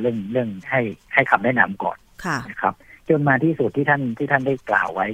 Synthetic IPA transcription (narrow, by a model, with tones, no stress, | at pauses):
ɾɯ˥˩əŋɾɯ˥˩əŋha˥˩jha˥˩jkʰa˨˩p̚daː˥˩jna̰˦˥mkɔ̰ː˨˩nʰ˧na˦˥kʰa˦˥p̚t͡ɕo˧nmaː˧t̪ʰiː˥˩su˨˩t̪ʰːiː˥˩a˥˩nt̪ʰiː˥˩t̪ʰa˥˩nda˥˩jkla̰ː˨˩wːa˦˥j